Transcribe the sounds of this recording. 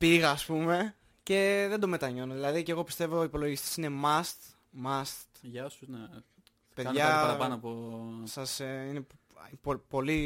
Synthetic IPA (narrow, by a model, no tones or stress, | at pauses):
piɣɐːspume̞ | ce̞ðend̪o̞me̞t̪ɐɲo̞noðilɐðiceɣo̞pi̥st̪e̞voipo̞lo̞ʝist̪i̥sine̞mɐst̪ | mɐst̪ʝɐsune | peðɐnʝɐɐɾɐpɐnoɐposɐseine | popo̞li